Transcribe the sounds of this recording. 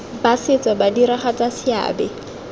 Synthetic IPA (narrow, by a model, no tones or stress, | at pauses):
basɪt͡sabadiɾaχat͡sasɪa̰ːbɛ